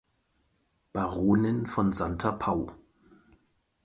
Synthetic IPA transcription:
b̥aʁoːnənfɔnzantʰɐpʰaʊ

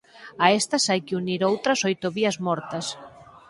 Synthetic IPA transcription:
ɐest̪ɐsajkɪuniɾowt̪ɾɐsojt̪ʊβiɐzmɔɾt̪ɐs

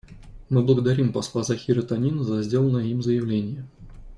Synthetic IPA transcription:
mɨblˠəɡəd̪ɐɾʲimpɐslˠazɐxʲiɾət̪ɐnʲinəzɐzʲdʲe̞lˠənəjəimzəjɪvlʲenʲɪjə

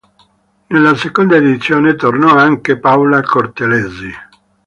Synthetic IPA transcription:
nelːasekond̪aed̪it̪sːjoːnet̪ornɔaŋkepawlakʰort̪elezi

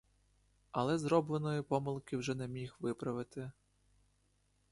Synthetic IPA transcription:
ɐlˠɛzɾɔblˠenɔjipɔmɪlˠkɪwʒɛnɛmʲixʋɪpɾɐʋɪt̪ɪ

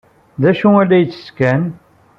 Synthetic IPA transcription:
ðæʃũælːæjət͡sːə̥skæn

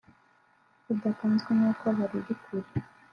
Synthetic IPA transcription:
udakanzɡenakoβaɾiɾikʰuɾi

